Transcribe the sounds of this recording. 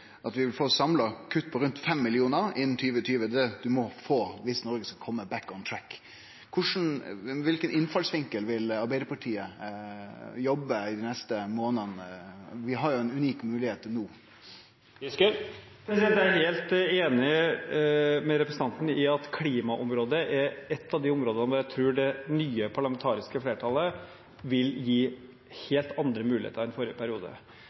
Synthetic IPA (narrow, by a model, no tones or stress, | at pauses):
ʔɑt̪ʋɪʋɪlfoːsɑmlɑkʰʉt̪ːpʰɔɾʉnt̪fɛmːɪlɪuːnəɾɪnːnt̪ʰyːʋət̪ʰyːʋəd̪ɛd̪ʉmɔfoːʋɪsnɔɾɡəskɑkʰɔmːəbækːɔnt̪ʰɾækʰː | ʊʂn̩ʋɪlkənɪnfɑlsʋɪŋkəlʋɪlɑɾbæɪd̪əpʰɑʈʰiːə | jɔbːəɪd̪ɪnɛst̪əmoːnənʋɪɦɑɾjʊɛnʉniːkmʉːlɪheːt̪nuː | pʰɾɛsɪd̪ɛnt̪jææɾheːlt̪eːnɪ | mɛɾɛpɾəsəɑnt̪n̩ɪɑt̪kʰliːmɑʔɔmɾoːd̪əʔɛɾɛt̪ːɑʋd̪ɪʊmɾoːd̪ənəʋɔɾjæɪt̪ʰɾʉːɖɛnyːəpʰɑɭɑmɛnt̪ʰɑːɾɪskəfleːʈʰɑːlə | ʋɪljiː | heːlt̪ɑnd̪ɾəmʉːlɪ̰ːt̪əɾɛnfɔɾɪəpʰæɾɪuːd̪ə̰